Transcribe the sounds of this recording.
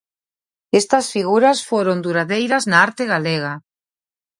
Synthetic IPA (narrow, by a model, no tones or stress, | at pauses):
est̪ɐsfiɣuɾasfoɾond̪uɾaðejɾɐznaaɾt̪eɣaleɣ̞a